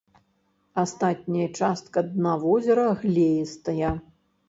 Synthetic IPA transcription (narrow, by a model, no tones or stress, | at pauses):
ast̪at̪̚ʲnʲɐjɐt͡ʂast̪̚kɐd̪navɔzʲɛɾɐɣlʲejist̪ɐjɐ